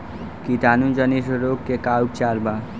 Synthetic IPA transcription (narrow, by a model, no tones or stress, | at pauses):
kit̪aːnũd͡ʒənisɾoːɡkːekaup̚t͡ʃalba